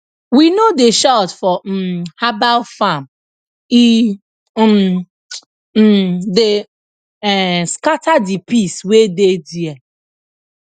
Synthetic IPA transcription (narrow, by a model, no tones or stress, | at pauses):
winodeʃaltfɔhabalfam | i | m | de | ɛskatadipiswedediɛ